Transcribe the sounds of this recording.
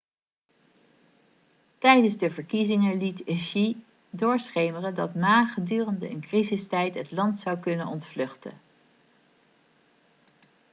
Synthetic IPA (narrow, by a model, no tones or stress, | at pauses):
tɛjdənzdəvəɹkizɪŋəlitəʃi | dʊːɹsχejmərədɑtnaːχədyːrəndəənkrizɪstɛjtɦətlɑntsɑwkɵnənɔntflɵχtə̰n